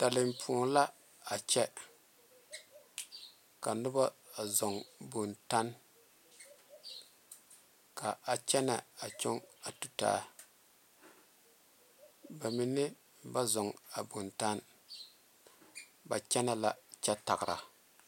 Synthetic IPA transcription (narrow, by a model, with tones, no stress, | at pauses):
ta˨lɪ˨mpʰu˨la˦ | a˨t͡ʃɛ˦ | ka˨nʊ˦ba˦˨zɔ˨ŋbo˨nta˦n | ka˨a˨t͡ʃɛ˦na˨a˨t͡ʃʊ˦ŋa˨tu˨ta̰ː˦ | ba˨mi˨nɪ˦ | ba˦zɔ˨ŋa˨bo˨nta˦n | ba̰˨t͡ʃɛ˦na˦la˦t͡ʃɛ˦ta˨ɡɪ˨ɾa̰˨